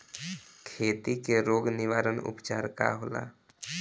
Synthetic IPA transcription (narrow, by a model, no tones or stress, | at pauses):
kʰeːt̪ikeɾoːɡnɪʋaːɾənʊ̰pt͡ʃaːɾka̰ɦoːla̰ː